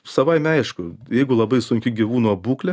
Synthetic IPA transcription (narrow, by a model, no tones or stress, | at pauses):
sɐʋɐɪmʲɐɪʃkʊjɛɪɡʊlˠɐbɐɪsʊŋʲkʲɪɡʲiʋuːnuɐbuːklʲɛ